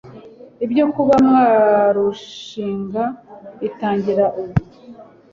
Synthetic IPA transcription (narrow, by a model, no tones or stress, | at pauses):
ibjo̞kuβamŋwaːɾuʃiːŋɡaitaːɲɟiɾaʔuβu